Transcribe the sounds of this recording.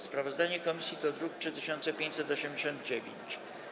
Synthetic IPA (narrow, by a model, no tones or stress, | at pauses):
spɾavɔzd̪aɲɛkɔmʲisʲjit̪ɔd̪ɾuk̚tʂɘt̪ɘɕɔnt̪sɛpʲjẽɲt͡ɕʲsɛt̪ɔɕɛmd͡ʑeɕɔ̃nd̪̚d͡ʑevʲḛɲt͡ɕ